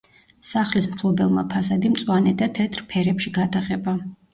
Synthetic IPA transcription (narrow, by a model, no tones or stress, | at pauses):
saχlismpʰlˠɔbɛlˠma̰pʰasad̪imt̪sʼwanɛd̪at̪ʰɛt̪ʰɾpʰɛɾɛpʃiɡat̪ʰaχɛba